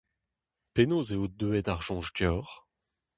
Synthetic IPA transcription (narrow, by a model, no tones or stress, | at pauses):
penoːzeod̪øɛd̪aʁʒ̥ɔ̃ʒdjɔːʁ